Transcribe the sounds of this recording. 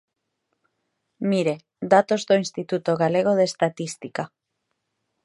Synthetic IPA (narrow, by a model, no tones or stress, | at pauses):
miɾe̞ | d̪at̪o̞zd̪oinst̪it̪ut̪oɣale̞ɣ̞o̞ð̞e̞st̪at̪ist̪ika